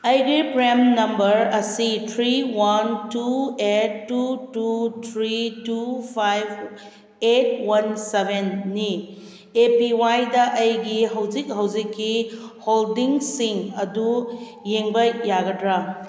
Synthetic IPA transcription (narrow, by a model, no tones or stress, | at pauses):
ɐjɡɾipɾemnɐmbɐɾɐsitʰɾiwɐntuetːututʰɾitupʰajb | et̚wɐnsebʱenːi | epiwajdɐʔɐjɡiɦɐwd͡ʒik̚ɦɐwd͡ʒikːiholdiŋsiŋɐdu | jeŋbɐjaɡɐdɾa